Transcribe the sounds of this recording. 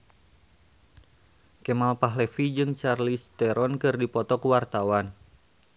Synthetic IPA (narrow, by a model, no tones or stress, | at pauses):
kɛmalpaɦlɛfid͡ʒɨŋt͡ʃarlist̪ɛɾɔnkɨrdipɔt̪ɔkuwart̪awan